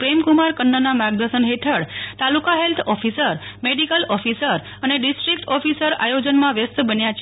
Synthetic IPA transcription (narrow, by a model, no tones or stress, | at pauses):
pɾemkumaɾkənːənamaɡ̚d̪əsənɦeʈ̪ʰəɽt̪alukaɦelt̪ʰɔfisəɾmeɖikəlɔfisəɾ | əneɖisʈɾik̚ʈɔfisəɾa̰jod͡ʒənmãʋjəst̪bənjat͡ʃ